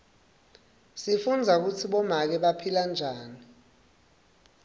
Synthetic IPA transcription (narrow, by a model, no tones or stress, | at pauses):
sifund͡zʱak̬ut͡sʰiɓɔmak̬ɛɓapʰiland͡ʒʱaːni